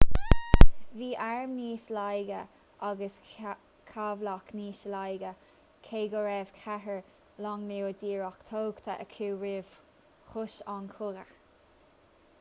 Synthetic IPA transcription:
viːʔaɹmniːslajɡə | ʔaɡəs | kʰavlakniːʃəlajɡə | kʰeːɡəɹɛːv̥kʰaɦəɹ | lɔŋneːwd̪iːɹɔkt̪ʰoːɡt̪ʰaʔəkʰuːɹeːv̥ | xʊʃankʰʊɡəx

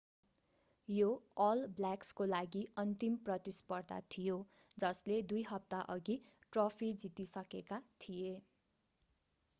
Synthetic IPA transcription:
joʌlblakskolaɡiʔʌnt̪imprʌt̪ispʌrd̪a̰t̪ʰijo | d͡zʌsled̪ujɦʌp̚t̪aʔʌɡiʈropʰid͡zit̪isʌkekat̪ʰije

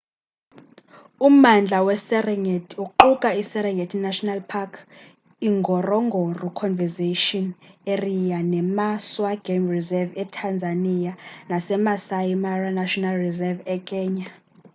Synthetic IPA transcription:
umand͡ɮʱawɛsɛrɛŋetʰiuǃukʼaisɛɾɛŋɡʱetʰinaʃɔnalpʰakʰ | iŋɡʱɔrɔŋɡʱɔrukʰɔnvɛzeʃɔnerijanɛmaswaɡ̥emrizɛvɛtʰand͡zʱanijanasɛmasajimaranaʃɔnalrizɛvɛkʼɛːɲa

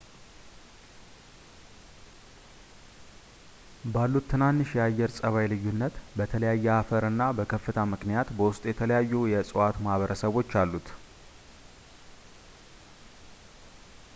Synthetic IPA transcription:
balːut̪t̪ʰːɨnanːɨʃjɛajːɛɾsʼəβajlɨjːunːət̪bət̪ʰələjajːɛafəɾɨnːabəkʰəfːɨt̪ʰamɨknijat̪bəwʊst̪ʼjɛt̪ʰələjajːujɛsʼəwat̪mahβəɾəsəβo̞t͡ʃːalːut̪

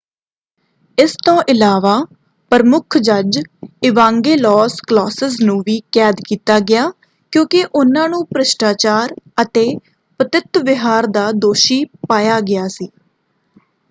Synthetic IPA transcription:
ɪst̪õːʔɪlaːʋaː | pəɾmʊkʰd͡ʒəd͡ʒɪʋãːŋɡeːlɔːsklɔːsəznũːʋiːkɛːd̪kiːt̪aːɡɪjaː | kjõːkɪʔʊnãːnũːpɾəʃʈaːt͡ʃaːɾət̪eː | pət̪ɪt̪ʋɪɦaːɾd̪aːd̪oːʃiːpaːjaːɡɪjaːsiː

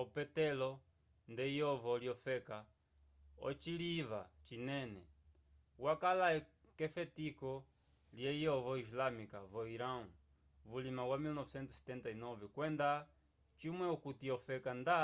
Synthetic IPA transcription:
ɔpɛtɛlɔ | ndɛijɔvɔljɔfɛka | ɔ̰t͡ʃiliva̰t͡ʃinɛnɛ̰ | wakala | kɛfɛtikɔ | ljɛijɔvɔislamikavɔiɾau | vulimawamilnɔvɛsɛnt̪usɛ̥t̪ɛntainɔvɛkwɛnda | t͡ʃimwɛɔkutiɔfɛkanda

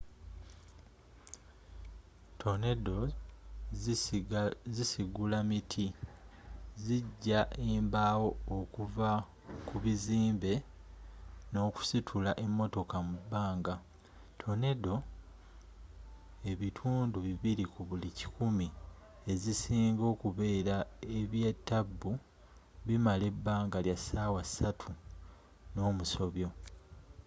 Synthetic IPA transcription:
tʰo̞ne̞do | zisiɡulamitʰi | ziɟːaʔeːmbaːwo̞ːkuva | kuβiziːmbe̞ | no̞ːku̥sitʰulaʔemːo̞to̞kamubːaːŋɡa | tʰo̞ne̞do̞ | e̞βitʰuːnduβiβiɾikuβulici̥kumi | e̞zisiːŋɡo̞ːkuβe̞ːɾae̞βje̞ːtːabːu | βimale̞bːaːŋɡaljasaːwasatʰu | no̞ːmuso̞βjo̞

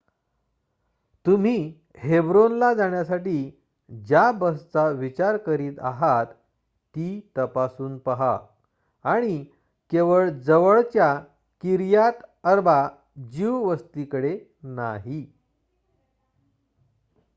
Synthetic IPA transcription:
t̪um̤iː | hebɾonlad͡zaɳjasaʈiː | d͡ʑjabəst͡saʋit͡ɕaɾkəɾiːt̪a̰ɦat̪ː | iːt̪əpasuːnpəɦaː | ɽ̃i | keʋəɭd͡zəʋəɭt͡ɕja | kiɾjat̪əɾba | d͡ʑiʋʋəst̪ikəɽe | naɦi

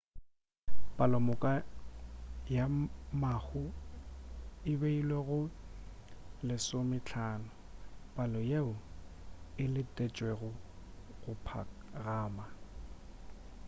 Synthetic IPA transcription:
pʼalɔmʊkʼa | jamahʊ | ɪbeilweɣʊ | lɪsʊmɪt͡ɬʰaːnʊ | b̥alɔjeʊ | ɪlɪtʼɛt͡ʃʼweɣʊ | ɣʊpʰa̰ɣaːma

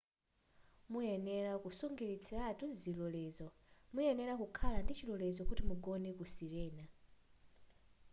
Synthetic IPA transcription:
mujɛnɛɾakusuŋɡiɾit͡sʰɛatʰuzilɔlɛzɔ | mujɛnɛɾakukʰalandit͡ʃilɔlɛzɔkutimuɡɔnɛkusiɾɛːna

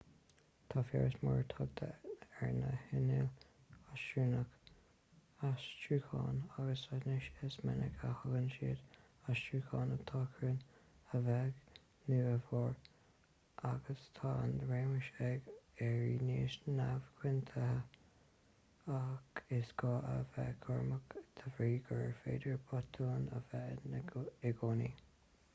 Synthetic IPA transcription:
t̪ʰɑːfjɛ̰ɹəsmɔ̰ɹt̪ʰɔɡ̚t̪ʰə̰ɛɹnə̰hɪnɪl | asʃuːnək | ast͡ʃɹuːkʰɑ̰ːnaɡəsanɪʃɪsmɛ̰nə̰kʰahəɡənʃiːd̪ | ast͡ʃɹukʰɑːnət̪ʰɑkʰɹən | əvɛɡ | nuəfɔɹ | ʔaɡəst̪ʰɑːand̪ɾeːməʃɛɡɛɹineːʃnavkʰwɪnt̪ʰəhə | akʰɪsɡ̥ɑːʔəvɛ̰kʰɔɹməkt̪ʰəvɾiːɡəɹfḛːd̪əɹbʰɔt̪ʰuːnə̰vɛnɪɡoːni

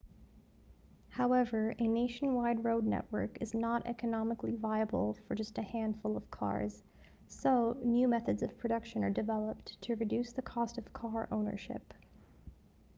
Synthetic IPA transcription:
haʊɛvə˞ɨneɪʃn̩waɪd̚ɹoʊdⁿnɛ̰ʔwə̰˞kɨznəɾʔɛ̰kɨnɑməklivaɪɨb̰l̩ˠfə˞d͡ʒʌstɨhæ̃nd̥fʊlˠʌv̥kʰɑ̰ɹz̥ | soʊnjʉmɛθɨdzʌv̥pʰɹ̥ɨɾʌkʃɨ̃nə˞dɨvɛlˠəp̚ttʰɨɹɨdʉsðɨkʰɔstʌv̥kʰɑɹʔõ̰ʊ̃nə̰˞ʃɪ̰p

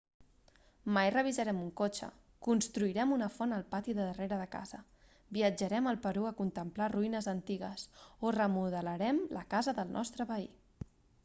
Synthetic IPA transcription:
majrəβizəɾɛmuŋkot͡ʃə̰ | kunst̪ɾuiɾɛmunəfɔnəlˠpat̪iðəðəreɾəðəka̰zə | biəd͡ʒəɾɛməlˠpəɾuəkunt̪əmplaruinəzənt̪iɣəsorəmuðələɾɛmlʔə̰kazəðəlˠnʔɔ̰st̪ɾəpəi

